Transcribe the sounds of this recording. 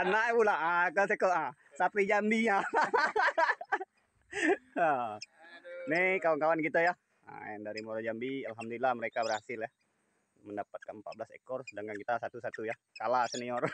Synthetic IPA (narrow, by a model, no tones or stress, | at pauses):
nabulaakas̬ekoə | sapɾid͡ʒambiɲa | ə | nikawaŋkawankit̪aja | ə̰ja̰ŋdaɾimoɾad͡ʒambialɦamdolilahməɾekabərhasɪlja | məndapat̪̚kanəmpat̪̚bəlasḛkɔrsədaŋɡankit̪asat̪usat̪uja | kalasəniɔr